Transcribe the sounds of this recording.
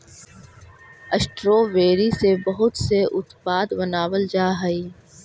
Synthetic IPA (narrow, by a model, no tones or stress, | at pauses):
əsʈɾoːʋeːɾisebɐɦʊt̪seʔʊt̪paːd̪bənaːwəld͡ʒaːɦəiː